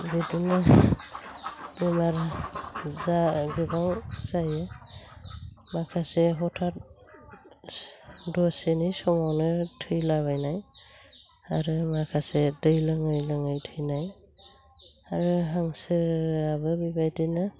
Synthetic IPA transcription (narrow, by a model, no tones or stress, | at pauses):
bidina | bemaɾ | zaɡɯbaŋz̥ajɯ | makʰaseɦɔtʰat̚ | dɔsenisɔmɔnɯtʰɯjlabajnaj | aɾɯmakʰasɛdɯjlɯŋɯjlɯŋɯjtʰɯjnaj | aɹɯɦaŋsɯabɯbibajdina